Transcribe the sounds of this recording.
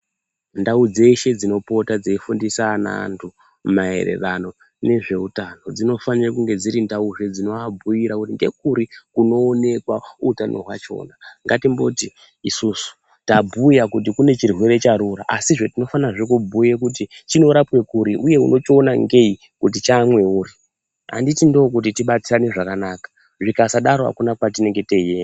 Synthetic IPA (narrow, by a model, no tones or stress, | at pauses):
ndaud͡ze̞ʃe̞d͡zino̞po̞tad͡zeifundisana̰ːntʰu | mae̞̰rḛrano̞ | ne̞ʐe̞utano̞d͡zino̞fanirakuŋɡe̞d͡ziɾindauʐed͡zino̞abʱujiɾakutiŋɡe̞k̚uɾikuno̞ːne̞kwautanʔo̞̰ɦwat͡ʃo̞̰ːnaŋɡatimboti | isusu̥ | tabʱujakut̬ikune̞t͡ʃirwe̞ɾe̞t͡ʃaɾuɾaʔasiʐo̞tino̞fanraʐek̬ubʱujek̬ut̬it͡ʃino̞ɾapwe̞kuɾiʔuje̞ṵnʔo̞t͡ʃionaŋɡei | kutit͡ʃamwe̞uːri | a̰nditindoːk̬ut̬itiɓat͡siraniʐakanaːkḁ | ʐikasaɗaɾoa̰kunakwat̬ine̞ŋɡe̞teje